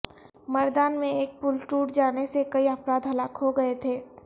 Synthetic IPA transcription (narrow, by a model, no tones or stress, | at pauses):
mɐɾd̪aːnmẽeːk̚pʊlʈuːʈd͡ʒaːnesekɐiəfɾaːd̪ɦɐlaːkɦoɡɐet̪ʰeː